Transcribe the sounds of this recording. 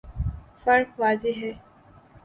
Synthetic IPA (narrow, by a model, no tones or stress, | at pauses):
fɐɾkʋaːzeɦɛː